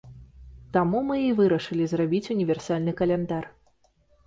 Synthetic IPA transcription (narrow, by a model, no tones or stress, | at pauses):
t̪amumɨivɨɾɐʂɨlʲizrabʲit͡sʲunʲivʲɛrsalʲnɨkɐlʲɛnd̪ar